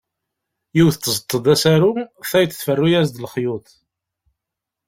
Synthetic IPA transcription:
jiwθət͡s̪ːəzət̪ˤːəd̪æsaɾuθæjət͡sːθfərːujæzd̪lχjʊt̪

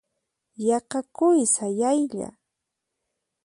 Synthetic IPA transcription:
jɑqɑkʊjsajajʎa̰

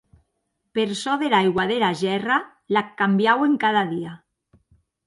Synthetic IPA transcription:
peɾsɔðelajɣwaðelaʒɛra | lakːambjaweŋkað̞aðia

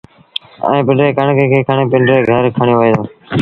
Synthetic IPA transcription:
ə̰ẽːpɪɳɖɾeːkəɳkeːkʰeːkʰaːɳeːpɪɳɖɾeːɡʱəɾkʰaːɳjoːʋəeːd̪oː

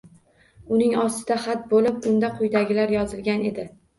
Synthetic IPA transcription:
ʊnɪŋɒst̪ɪd̪aχat̪̚bolɪp̚ʊnd̪aqʰʊjd̪aɡʲɪlaɾjɒzɪlˠɡʲane̞d̪ɪ

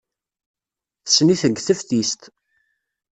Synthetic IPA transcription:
θə̥sːniθəɡːθəfθist̪

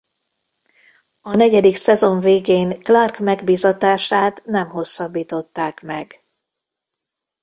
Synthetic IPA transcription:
ɒnɛɟɛd̪iksɛzo̞ɱveːɡeːŋklɒrkmɛɡbiːzɒt̪aːʃaːt̪nɛmɦo̞sːɒbːiːt̪o̞t̪ːaːkmɛɡ

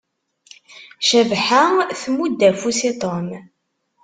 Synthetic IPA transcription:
ʃævħaθmud̪ːæfusit̪ˤom

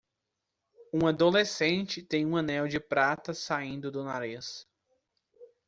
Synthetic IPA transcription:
ũad̪olesẽnt͡ʃɪt̪ẽj̃ũɐ̃nɛwd͡ʒɪpɾat̪ɐsaĩnd̪ʊd̪ʊna̰ɾis

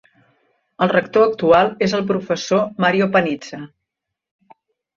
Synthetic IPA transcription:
əlˠrəkt̪oək̚t̪ualˠezəlˠp̬ɾufəsomaɾiopənid͡zə

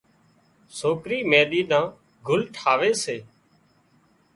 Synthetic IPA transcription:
soːkɾiːmeːɗ̪iːnãː | ɡʱʊlʈʰaːʋeːseː

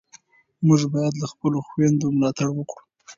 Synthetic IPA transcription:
mʊʒbɑjad̪laxpəloxwand̪omlɑt̪aɽwəkɽu̥

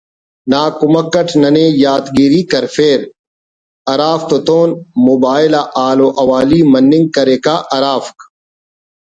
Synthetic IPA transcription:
naːkʊməkːəʈʰnɐneːjaːt̪ɡiːɾiːkɐɾfeːɾ | ɐɾaːft̪ot̪oːnmoːbaːɪlaːʔaːloːʔɐʋaːliːmɐnːɪŋɡ̚kɐɾeːkaːʔɐɾaːfk

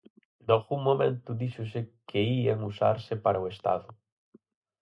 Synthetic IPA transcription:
noɣuŋmõmḛ̃nt̪ʊðiʃʊsɪkʰeiaŋusa̰ɾsɪpaɾaʊest̪a̰ðʊ

